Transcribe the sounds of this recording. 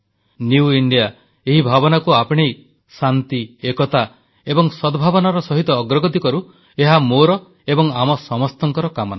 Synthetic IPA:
niuiɳɖija | eɦibʱabɔnakuapɔɽ̃ej | sant̪iekɔt̪a | ebɔŋsɔd̪ɔbʱabɔnaɾɔsɔɦit̪ɔːɡɾɔɡɔt̪ikɔɾu | eɦamoɾɔ | ebɔŋamɔsɔmɔst̪ɔŋkɔɾɔkamɔna

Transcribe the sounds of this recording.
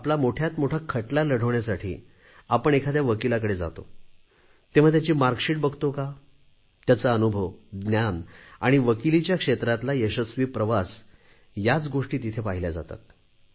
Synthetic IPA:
aplamoʈʰjat̪moʈʰakʰəʈlaləɽ̤ʱəʋɳjasaʈʰḭː | apəɳekʰad̪jaʋəkilakəɽed͡za̰t̪o̰ | t̪ẽʋ̤at̪jat͡ɕiːmaɾkɕiːʈ̚bəɡʱt̪oka | t̪jat͡saənubʱəʋɡnjana̰ɽ̃iʋəkilit͡ɕjakʂet̪ɾat̪lajəɕəsʋiːpɾəʋas | jat͡sɡoʂʈiːt̪it̪ʰepaɦiljad͡za̰t̪a̰t̪

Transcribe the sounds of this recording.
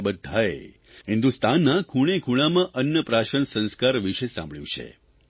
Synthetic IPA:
bəd̪ʱːae | ɦɪnd̪ust̪anːakʰuɽ̃ekʰuɽ̃amãʔənjəpɾaʃəɳsə̃nskaɾʋiʃesã̰mbɭjṵ̃t͡ʃʰḛ

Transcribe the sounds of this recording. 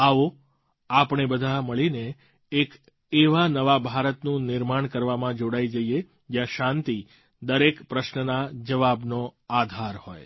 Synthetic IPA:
aʋo | apɳ̃ebəd̪ʱaməɭineː | k | eʋanəʋabʱaɾət̪nũnɪɾmaɳkəɾʋamãd͡ʒoɽaid͡ʒəie | d͡ʒjãʃãnt̪i | d̪əɾekpɾəʃnənad͡ʒəʋabnoad̪ʱaɾho̰j

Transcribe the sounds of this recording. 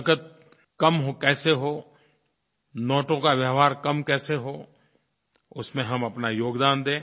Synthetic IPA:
kət̪̚ | kɐmɦokɛːseɦoː | nɔːʈõkaʋjəːʋaːɾkɐmkɛːseɦoː | ʊsmẽɦɐmɐpnajoːɡd̪aːnd̪ẽː

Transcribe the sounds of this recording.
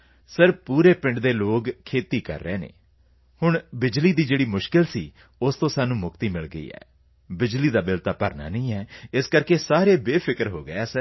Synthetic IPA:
səɾpuːɾeːpɪ̃ɳɖd̪eːloːɡkʰeːt̪iːkə̰ɾːeːnḛː | hʊɳbɪd͡ʒliːd̪iːd͡ʒeːɽiːmʊʃkɪlsḭː | ʊst̪õːsaːnũːmʊkt̪iːmɪlɡəḭːɛ̰ː | bɪd͡ʒliːd̪aːbɪlt̪aːpəɾna̰ːnəĩːɛːɪskəɾkeːsaːɾeːbeːpʰɪkəɾɦo̰ːɡəɛːsəɾ

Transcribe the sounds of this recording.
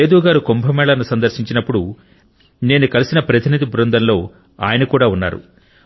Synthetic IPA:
eːd̪uːɡaːɾukombʱɐmɛːɭɐnusɐnd̪ɐɾʃiɲt͡ʃinɐpːuɽu | ne̞ːnukɐlisinɐpɾɐt̪ʰinid̪ibɾund̪ɐnlo̞ː | a̰ːjɐnɐkuːɽaːunːa̰ːɾṵ

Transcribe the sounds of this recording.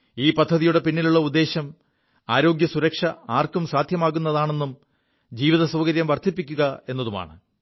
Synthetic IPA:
iːpɐd̪ʱːɐðijuɽe̞pinːiluɭːɐud̪ːe̞ːɕɐm | aːɾo̞ːɡjɐsuɾɐkʂɐaːrkumsaːd̪ʱjɐmaːɣunːɐðaːɳe̞nːum | d͡ʑiːʋiðɐsɐːɣɐɾjɐmʋɐrt̪ʰipːikʲːuɣɐe̞nːɐðuma̰ːɳɨ

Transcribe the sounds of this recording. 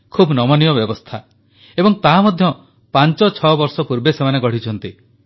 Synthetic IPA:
kʰubnɔmɔnijɔbjɔbɔst̪ʰa | ebɔŋt̪aɦmɔd̪ʱjɔ | pant͡ʃɔt͡ʃʰɔbɔɾsɔpuɾbesemaneɡɔɽ̤it͡ʃʰɔnt̪i

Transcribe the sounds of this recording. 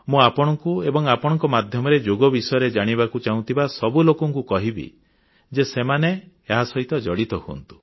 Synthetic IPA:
mũapɔɽ̃ɔŋkuebɔŋapɔɽ̃ɔŋkɔmad̪ʱjɔmɔɾed͡ʒoɡɔbisɔjɔɾed͡ʒaɽ̃iβakut͡ʃaũnt̪ʰibasɔbulokɔŋkukɔɦibḭ | d͡ʒesemane | eɦasɔɦit̪ɔd͡ʒɔɽit̪ɔhuɔ̰nt̪u̥

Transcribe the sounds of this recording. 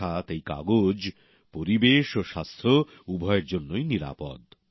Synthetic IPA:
at̪ejka̰ɡod͡ʑ | poɾibeʃoʃast̪ʰo | ubʱɔeeɾd͡ʑonːojniɾa̰pɔ̰d̪

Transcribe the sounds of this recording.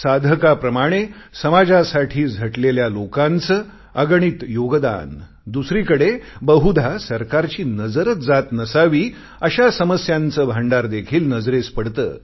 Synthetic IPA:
sad̪ʱəkapɾəmaɽ̃esəmad͡zasaʈʰiːd͡zʱəʈleljalokant͡səː | əɡɳ̃it̪joɡd̪a̰n | d̪usɾikəɽebəɦud̪ʱasəɾkaɾt͡ɕiːnəd͡zəɾət͡sd͡zat̪nəsaʋiː | əɕasəməsjãnt͡səːbʱaɳɖaɾd̪ekʰiːlnəd͡zɾespəɽt̪ə̰ː

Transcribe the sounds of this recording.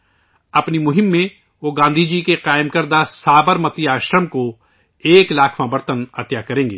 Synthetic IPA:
ɐpnimʊɦɪmːẽ | ʋoːɡãːnd̪ʱid͡ʒikeqaːɪmkɐɾd̪asaːbəɾmət̪iaːʃɾəmko | eːklaːkʰmãbɐɾt̪ənɐt̪jakɐɾẽːŋɡḛː

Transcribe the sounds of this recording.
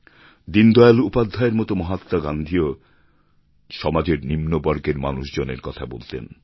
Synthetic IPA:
d̪ind̪ɔalupad̪ʱːaeɾmɔt̪omɔɦat̪ːaɡand̪ʱio | ʃɔmad͡ʑeɾnimnobɔɾɡeɾmanuʃd͡ʑonḛɾkɔt̪ʰabolt̪ḛn

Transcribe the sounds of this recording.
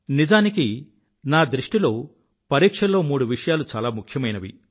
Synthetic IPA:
nid͡ʒaːniki | naːd̪ɾiʂʈilo̞ː | pɐɾiːkʂɐlo̞ːmuːɽuʋiʂɐjaːlut͡ʃaːlaːmukʰjɐmɐjnɐʋḭ

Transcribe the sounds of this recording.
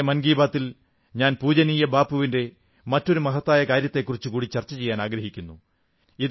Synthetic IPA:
mɐnɡiːbaːt̪ːil | ɲaːnpuːd͡ʑɐniːjɐbaːpːuʋinde̞ | mɐtːo̞ɾumɐɦɐt̪ːaːjɐkaːɾjɐt̪ːe̞kːurit͡ɕːɨkuːɽit͡ɕɐrt͡ɕːɐt͡ɕe̞jːaːnaːɡɾɐɦikʲːunːu | ið

